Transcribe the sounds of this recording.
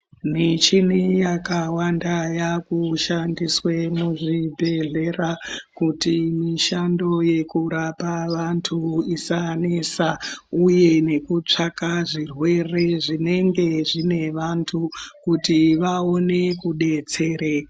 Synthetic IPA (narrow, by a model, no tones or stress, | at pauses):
nit͡ʃinijakawandajakuʃandiswemuʐibʱe̞ɮe̞rakutimiʃando̞je̞kuɾapaʋantʰuisanesauje̞ne̞kut͡ʂakaʐirwe̞re̞ʐine̞ŋɡe̞ʐine̞ʋantʰukutiʋao̞ne̞kuɗe̞t͡se̞ːɾe